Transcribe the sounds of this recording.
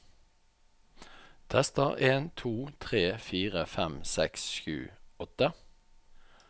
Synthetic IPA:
t̪ʰɛst̪əʁeːnt̪ʰuːt̪ʰʁeːfiːʁəfɛmsɛksʃʉ̰ːɔt̪ə

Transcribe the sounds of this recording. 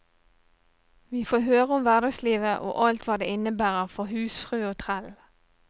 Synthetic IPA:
ʋiːfoːɦøːʁəʊmʋæʁd̪ɑɡsliːʋəʔo̰ːʔɑlt̪ʋɑːd̪ḛːɪnəbæːʁəʁfɔhʉːsfʁʉːoːt̪ʰʁæl

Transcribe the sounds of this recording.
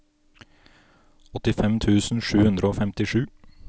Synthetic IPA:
ɔt̪ɪfɛmt̪ʰʉːsn̩ʂʉːhʉnd̪ɾəoːfɛmt̪ɪʂʉː

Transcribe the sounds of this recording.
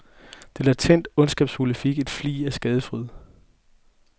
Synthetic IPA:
d̥e̝læɐt͡sʰen̰d̥ɔ̽nsɡ̥ɛːb̥shulifiɡ̥e̝d̥flḭːæsɡ̥ɛːð̞ˠəfʁyð̰ˠ

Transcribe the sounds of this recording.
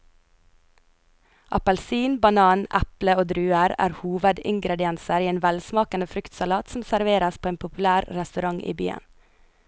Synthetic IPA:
ʔɑ̰pəlsiːnbɑnɑːnʔæpləoːd̪ɾʉːəɾæ̰ːɾhuːʋəd̪ɪŋɡɾɛd̪ɪɛnsəɾiːeːnʋælsmɑːkənəfɾʏkt̪sɑlɑːt̪sm̩sæɾʋeːɾɑspʰoːeːnpʰʊpʉlæːɾɾɛst̪ʉɾɑŋʔḭːby̰ːə̰n

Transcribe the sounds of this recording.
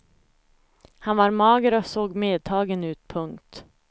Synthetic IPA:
hanvɑɾmɑːɡəɾɔsoːɡmeːd̪̚t̪ʰɑːɡənʉ̟ːt̪̚pʰɵŋkt̪

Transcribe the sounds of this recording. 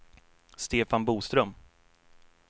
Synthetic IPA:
st̪eːfanbuːst̪ɾœm

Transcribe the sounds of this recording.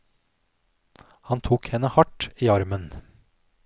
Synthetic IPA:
hɑnt̪ʰuːkhɛnəhɑʈiːɑɾmən

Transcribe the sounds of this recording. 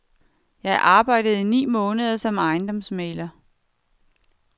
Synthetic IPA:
jɑ̈ɪʔɑ̈ːb̥ɑ̈ɪ̰d̥əð̞̩ˠinḭːmɔːnəð̞ˠɐsɒ̽mɑ̈ɪnd̥ɒ̽msmeːlɐ

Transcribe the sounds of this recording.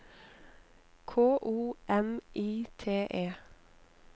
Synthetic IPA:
kʰoːʔuːʔɛmʔiːt̪ʰeːʔeː

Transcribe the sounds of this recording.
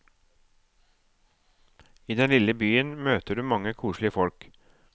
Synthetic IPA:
iːd̪ɛnlɪləbyːənmøːt̪əɖʉːmɑŋəkʰuːʂɭɪəfɔlk

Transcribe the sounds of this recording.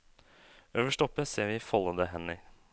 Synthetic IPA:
øːʋəʂʈɔpːəseːɾʋɪfɔləd̪əɦɛnɪ

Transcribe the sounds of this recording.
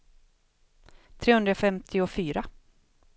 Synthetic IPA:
t̪ʰɾeːhɵnd̪ɾafɛmt̪ʰɪɔfyːɾa

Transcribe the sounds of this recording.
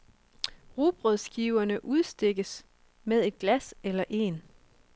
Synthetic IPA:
ʁub̥ʁœðˠsɡ̥iʊɐnəʔuð̞ˠsd̥e̝ɡ̥əs | með̞ˠe̝d̥̚ɡ̥læselɐʔe̝n

